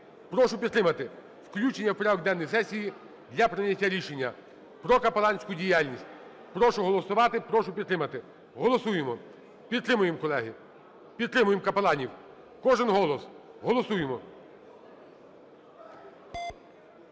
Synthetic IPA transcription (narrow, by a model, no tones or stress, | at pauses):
pɾɔʃʊpʲid̪t̪ɾɪmɐt̪ɪ | wklʲut͡ʃenʲːɐwpɾʲaʋɔɡd̪ɛnːɔjsɛsʲiji | d̪lʲɐpɾɪnʲɐtʲːaɾʲiʃe̞nʲːɐ | pɾɔkɐpelˠɑnʲsʲkʊdʲijalʲnʲisʲt̚ʲ | pɾɔʃʊɦɔlˠɔsʊʋɑt̪ɪpɾɔʃʊpʲid̪t̪ɾɪmɐt̪ɪ | ɦɔlˠɔsujemɔ | pʲid̪t̪ɾɪmʊjemkɔlˠɛɦɪ | pʲid̪̚ɾɪmʊjemkɐpelˠɑnʲiw | kɔʒɪnɦɔlˠɔsɦɔlˠɔsujemɔ